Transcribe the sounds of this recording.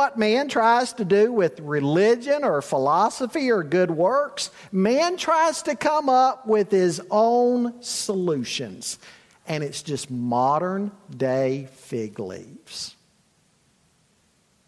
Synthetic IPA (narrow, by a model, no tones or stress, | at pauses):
ʌt̚mæ̃ntʰɹ̥aɪz̥tɨdɨwɪðɹɪlɪd͡ʒɨ̃nə˞fəlɑsəfiə˞ɡʊd̚wɜ˞ks | mæ̃ntʰɹ̥aɪz̥tɨkʰʌ̃mʌp̚wɪð̥ɪzõʊ̃nsəlʉʃɨ̰̃nz̥ | ʔɨ̃ñɨtsd̥ʒ̥ʌstmɑɾə̃˞ndeɪfɪɡlḭvz̥